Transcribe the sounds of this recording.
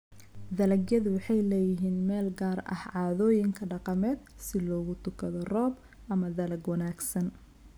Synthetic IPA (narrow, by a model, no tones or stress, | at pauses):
d̪ɐlɐɡjɐðʊwɑħɑjlɛːjɪɦiːnmɛːlɡaːrɐ̰hʕɑːðɔːjɪŋkʰɐɖɑqɑmɛːd̪̚sɪlɔːɣʊt̪ʰʊkʰɐðɔrɔːb | ʔɐmɐðɐlɐɡwɐnaːɡsɐn